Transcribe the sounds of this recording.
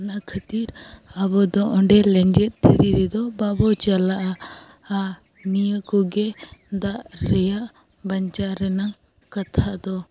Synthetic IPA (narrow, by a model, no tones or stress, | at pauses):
nakʰət̪iɾabɔd̪ɔʔɔ̃ɳɖɛlɛɲd͡ʒɛt̪̚ˀt̪ʰiɾiɾɛd̪ɔbabɔt͡ʃalaʔa | a | nijəkɔɡɛd̪aʔɾɛjaʔ | bəɲt͡ʃaɾɛnaŋ | kat̪ʰaʔd̪ɔ